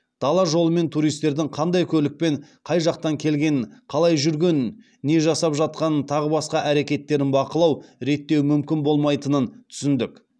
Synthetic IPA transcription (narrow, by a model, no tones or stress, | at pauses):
d̪̥ɑlˠɑʒo̞lˠəme̞nt̪ʰuɾijst̪e̞ɾd̪ɪŋqʰɑnd̪ɑjkʲʰɵlɪk̚pe̞ɴqʰɑjʒɑq̚t̪ɑŋkʲʰe̞lɡʲe̞nqʰɑlˠɑjʒʏɾɡʲe̞nː | e̞ʒɑsɑpʒɑt̪̚qɑnət̪ʰɑʁəbɑsqɑʔæɾe̞kʲe̞t̪ːe̞ɾɪnbɑqəlˠɑwɾe̞t̪ːe̞wmʏmkʲɪnbo̞lˠmɑjt̪ənənt̪ʰʏ̥sɪnd̪ɪk